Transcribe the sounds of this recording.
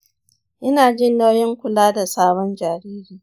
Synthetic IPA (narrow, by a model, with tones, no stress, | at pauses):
ʔɪ˦naː˨d͡ʒɪ˦nːa˦wjɪ˦ŋkʷʊ˨laː˦da˨saː˦bɔ˦nd͡ʒaː˨ɾiː˦ɾiː˨